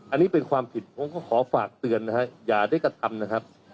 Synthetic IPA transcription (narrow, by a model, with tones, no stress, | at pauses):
ʔa˧nːiː˦˥pe˧nkʰwaː˧mpʰi˨˩t̪̚ʔo˧ŋkɔː˥˩kʰɔː˩˦faː˨˩k̚t̪ɯ˧ənːa˦˥kʰa˦˥jaː˨˩da˥˩jkɾa˧t̪ʰa˧mna˦˥kʰa˦˥p̚